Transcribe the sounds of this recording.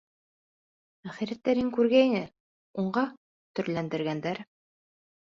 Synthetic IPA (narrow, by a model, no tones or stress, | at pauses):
æχiɾæt̪ːæɾɘŋkʉɾɡæinɘ | uɴɢɑ | t̪ɵ̆ɾlænd̪ɘ̆ɾɡænd̪æɾ